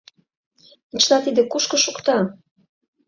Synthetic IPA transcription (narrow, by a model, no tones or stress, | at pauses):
it͡ɕlɑt̪id̪ĕkuʃkɤ̆ʃukt̪ɑ